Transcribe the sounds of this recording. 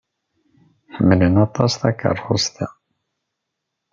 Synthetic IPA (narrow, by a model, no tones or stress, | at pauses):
ħəmːələnɑt̪ˤɑsθɑkə̰rˤχost̪æ̰